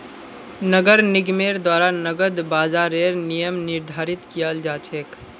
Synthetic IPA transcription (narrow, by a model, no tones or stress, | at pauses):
nəɡəɾnɪɡmeːɾd̪waːɾanəɡəd̪baːzaːɾeɾnijəmnɪɾd̪ʱaːɾɪt̪kijəld͡ʒaːt͡ʃʰek